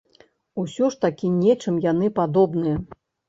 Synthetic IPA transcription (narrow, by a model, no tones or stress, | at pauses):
usʲɔʂt̪akʲinʲɛt͡ʂɨmjanɨpad̪ɔbnɨjɐ